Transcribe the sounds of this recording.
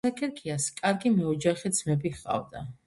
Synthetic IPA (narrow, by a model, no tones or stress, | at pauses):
akʰɛɾkʰiaskʼaɾɡimɛɔd͡ʒaχid̪zmɛbiχqʼa̰vd̪a